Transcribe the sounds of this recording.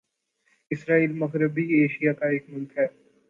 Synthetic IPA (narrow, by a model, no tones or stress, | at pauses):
ɪsɾaːiːlmɐɣɾɪbieːʃijakaeːkmʊlkɦɛː